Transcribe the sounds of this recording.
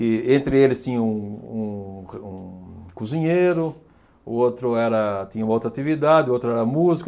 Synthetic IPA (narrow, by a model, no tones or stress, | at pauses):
ɪẽnt̪ɾɪelɪst̪ĩɲɐ̃ũũũkuzĩɲejɾʊ | ʊot̪ɾʊɛɾɐt̪ĩɲɐũmɐowt̪ɾat̪ivid̪ad̪ɪowt̪ɾʊɛɾɐmuzik